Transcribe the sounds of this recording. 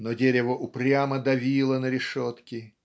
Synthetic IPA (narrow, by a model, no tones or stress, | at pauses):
nodʲeɾʲɪvəʔʊpɾʲaməd̪ɐvʲilˠənəɾʲɪʂot̪kʲɪ